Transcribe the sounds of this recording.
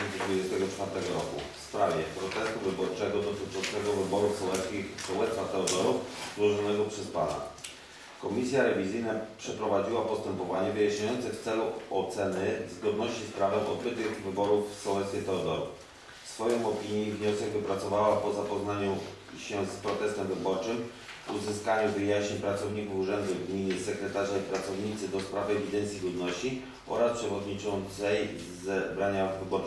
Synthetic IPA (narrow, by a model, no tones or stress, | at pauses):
nt̪sɛd̪vud͡ʑɛst̪ɛɡɔt͡ʂfaɾt̪ɛɡɔɾɔkṵfspɾavʲjɛpɾɔt̪ɛst̪uvɘbɔɾt͡ʂɛɡɔd̪ɔt̪ɘt͡ʂɔ̃nt̪sɛɡɔvɘbɔɾufsɔwɛt̪skʲixsɔwɛt̪sfat̪ɛɔd̪ɔɾufzzwɔʐɔnɛɡɔpʂɛspana̰ | kɔmʲisʲjaɾɛvʲizɘjnapʂɛpɾɔvad͡ʑiwapɔst̪ɛmpɔvaɲɛvɘjaʃɲajɔnt̪sɛft̪sɛluɔt̪sɛnɘzɡɔd̪nɔɕt͡ɕispɾavɛʔɔd̪̚bɘt̪ɘɣvɘbɔɾufsɔwɛt̪skʲɛt̪ɛɔd̪ɔɾuf | fsfɔjɔ̃w̃ɔpʲiɲjivɲɔsɛɡvɘpɾat̪sɔvawapɔzapɔznaɲu | ɕɛspɾɔt̪ɛst̪ɛmvɘbɔɾt͡ʂɘm | vuzɘskaɲuvɘjaɕeɲpɾat̪sɔvɲikufuʐɛnd̪uvɡɲiɲɛsɛkɾɛt̪aʐaipɾat̪sɔvɲit̪sɘd̪ɔspɾavɛvʲid̪ɛnsʲiɡɔd̪nɔɕt͡ɕi | ʔɔ̰ɾaspʂɛvɔd̪ɲit͡ʂɔnt̪sɛj | zɛbɾaɲavɘbɔɾu